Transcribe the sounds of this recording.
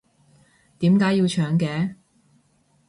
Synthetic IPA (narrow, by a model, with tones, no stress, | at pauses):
t̪iː˨˥mkaː˨˥jːiː˧wt͡ʃʰœː˨˥ŋkɛː˧˥